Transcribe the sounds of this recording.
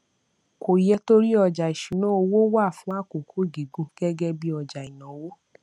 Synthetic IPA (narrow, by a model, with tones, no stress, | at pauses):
ko˨jɛ˧to˦ɾi˦ɔ˧d͡ʒa˨i˨ʃu˨˦nã˨˦o˧wo˦wa˦˨fũ˨˦a˦˨ko˨kʰu˦˨ɡi˨ɡũ˧˦ɡ̥ɛ˦ɡɛ˦bi˦ɔ˧d͡ʒa˨i˨nã˨˦wo˦